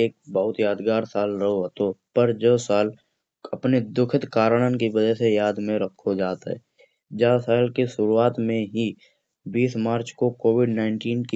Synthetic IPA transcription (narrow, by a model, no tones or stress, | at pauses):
eːk̚bəɦʊt̪jaːd̪ɡaːɾsaːlɾəɦoɦt̪opəɾd͡ʒoːsaːl | ɐpned̪ʊkʰɪt̪kaːɾəɽ̃ənkiʋəd͡ʒɛsejaːd̪mẽɾəkʰːod͡ʒaːt̪ɦɛ̰ː | d͡ʒaːsaːlkiʃʊɾuaːt̪mẽɦi | biːsmaːɾt͡ʃkokoːwɪɖnaːɪ̃ɳʈiːnki